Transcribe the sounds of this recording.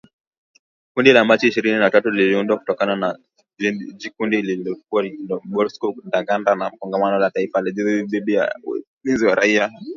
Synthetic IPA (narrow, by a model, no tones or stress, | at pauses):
kundilamat͡ʃiiʃiɾininatatuliliundwakutɔkanana | d͡ʒikundililɔkuaɔɓɔlskɔndaɡandanam̩kɔŋɡamanɔlataifalid͡ʒiðiiɓiɗija̰ | linziwaɾaia